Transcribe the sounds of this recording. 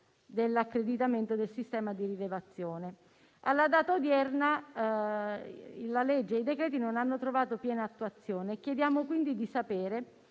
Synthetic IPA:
d̪elːakːɾed̪it̪ament̪od̪elsist̪ɛːmad̪iɾilevat̪sːjoːne | alːad̪aːt̪aod̪jɛrna | laled͡ʒːeid̪ekɾɛːt̪̬inonanːot̪ɾovaːt̪opjɛːnaːt̪ːuat̪sːjoːnekjed̪jaːmokwind̪id̪isapeːɾe

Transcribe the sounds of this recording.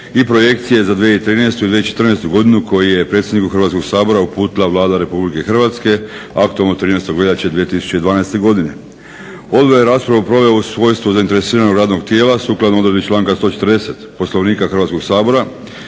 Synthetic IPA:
ipɾo̞je̞kt̪sije̞zad̪ʋieeit̪ɾiːnest̪uid̪ʋiet͡ʃet̪rnest̪uɡo̞d̪inuko̞jije̞pɾet̪sʲjed̪nikuxr̩ʋat̪skoɡsaːbo̞ɾaupuːt̪ilaʋlˠaːd̪aɾe̞publike̞xr̩ʋat̪ske̞akt̪uelnot̪ɾiːneːst̪oɡleʎat͡ɕed̪ʋijet̪isu̥t͡ɕeid̪ʋaːnast̪e̞ɡo̞d̪ine̞ | o̞d̪bojeɾaːspɾaʋupɾo̞ʋeousʋo̞jst̪ʋuzaint̪e̞ɾesiːɾanoɡɾaːd̪no̞ɡt̪jeːlasuːklˠad̪nooɾe̞d̪it͡ʃlˠaːŋkast̪o̞ːt͡ʃe̞t̪əɾd̪e̞se̞t̪po̞slˠoʋniːkaxr̩ʋat̪sko̞ɡ̥saːbo̞ɾa

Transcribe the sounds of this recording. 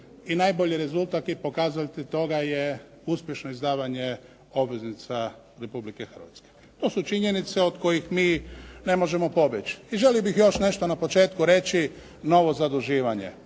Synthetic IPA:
inajbo̞ʎiɾe̞zulˠt̪at̪ipo̞kaːzalt̪it̪o̞ɡaje | uspʲjeʃnoizd̪aːʋaɲe | o̞bʋe̞znit̪sa | ɾe̞publike̞xər̩ʋa̰t̪ske̥ | t̪o̞ːsut͡ʃiɲenit̪se̞od̪ko̞jixmiːne̞mo̞ʒe̞mo̞po̞bet͡ʃiʒeliobixjo̞ʃne̞ʃt̪onapo̞t͡ʃeːt̪kuɾe̞t͡ɕi | no̞ʋo̞zad̪uʒiːʋaɲe̞̰

